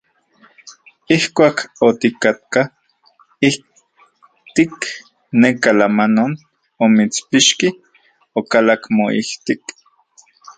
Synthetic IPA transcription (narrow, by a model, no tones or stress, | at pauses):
ihkʷaːkot̪ikat̪̚ka | ih | t̪ik | nekalamanon | omit͡spiʃki | okalakmoḭht̪ik